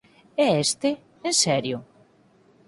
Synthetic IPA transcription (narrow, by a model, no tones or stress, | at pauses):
ɛest̪e | ensɛɾjʊ